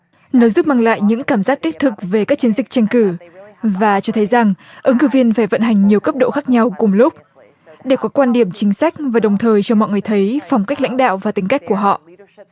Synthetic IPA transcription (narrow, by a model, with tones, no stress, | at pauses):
nɔ˨˦zu˦˥p̚maː˧ŋla̰ː˧˨jɲɨ̰˧˥ŋkaː˧˩mzaː˦˥t̚t̪i˦˥k̚t̪ʰɨ˨˩k̚ve˨˩kaː˦˥k̚t͡ɕi˨˦nzï˨˩k̟̚t͡ɕɛ˧ŋkɨ˧˩vaː˨˩t͡ɕɔ˧t̪ʰə˨˦jza˨˩ŋʔə˨˦ŋkɨ˧˩vi˧ənfaː˧˩jvə̰˧˨nɦa˨˩jŋ̟ɲi˨˩əwkə˦˥p̚ɗo̰˧˨xaː˦˥k̚ɲa˧wkʊ˨˩ŋ͡mlʊ˦˥k͡p̚ | ɗe˧˩kɔ˨˦kwaː˧nɗi˧˩əmt͡ɕï˨˦ŋ̟sa˦˥jk̟̚vaː˨˩ɗə˨˩wŋ͡mt̪ʰəː˨˩jt͡ɕɔ˧mɔ̰˧˨jŋɨ˨˩ə˩jt̪ʰə˨˦jfɔ˨˩wŋ͡mkk̟̚la̰˧˥jŋ̟ɗa̰ː˧˨wvaː˨˩t̪ï˨˦ŋ̟ka˦˥k̟̚ku˧˩əɦɔ̰˧˨ʔ